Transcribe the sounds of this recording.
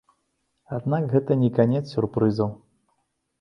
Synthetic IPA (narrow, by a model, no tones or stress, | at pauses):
ad̪nakɣɛt̪ɐnʲɛkanʲɛt̪ssʲurpɾɨzɐw